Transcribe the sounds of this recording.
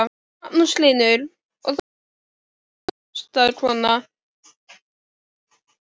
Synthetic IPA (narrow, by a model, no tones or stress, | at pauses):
pnuslinʏɾ | ɔ̰ɣθ | st̪aɾkʰvɔːna